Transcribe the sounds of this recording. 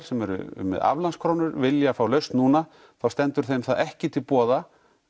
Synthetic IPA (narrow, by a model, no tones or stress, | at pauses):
ɾ̥sɛmɛɾʏ̰mːɛ̰ða̰vlanskʰɾownʏɾvɪljafaːwlœɥst̪nuːna | θawst̪ɛnt̪ʏɾ̥θejmθaðɛhcɪt̪ʰɪlpɔːða